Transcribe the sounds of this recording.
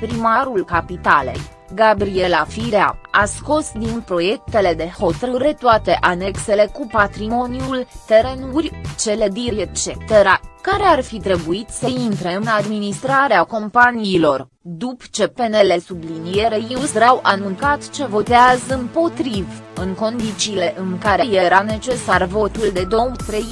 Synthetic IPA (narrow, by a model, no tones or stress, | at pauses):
pɾimaɾulkapit̪ale̞̰j | ɡabɾie̞lafiɾea̰asko̞sd̪inpɾo̞je̞k̚t̪e̞le̞d̪e̞ho̞t̪ɾɨɾe̞t̪oat̪e̞ʔane̞kse̞le̞kupat̪ɾimo̞niult̪e̞ɾe̞nurʲt͡ʃe̞le̞d̪iet͡ʃet̪eɾakaɾe̞arfit̪ɾe̞buit̪səint̪ɾeɨnad̪minist̪ɾaɾeako̞mpaniːlo̞r | d̪upt͡ʃe̞pene̞le̞sublinije̞ɾejiusɾawʔanunt̪sat̪t͡ʃe̞vo̞t̪eazəɨnpo̞t̪ɾivɨŋko̞nd̪it͡ʃiːle̞ʔɨŋkaɾejeɾane̞t͡ʃe̞sarvo̞t̪uld̪e̞d̪o̞wt̪ɾej